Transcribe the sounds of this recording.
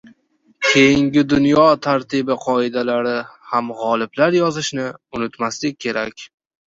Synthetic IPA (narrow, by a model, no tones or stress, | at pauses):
kʲʰe̞jɪŋɡʲɪd̪ʊnjɒt̪ʰaɾt̪ʰɪbɪqʰɒɪd̪alaɾɪhamʁɒlˠɪblaɾjɒzɪʃnɪʊnɪt̪maslɪk̚ʲʰːe̞ɾakʲ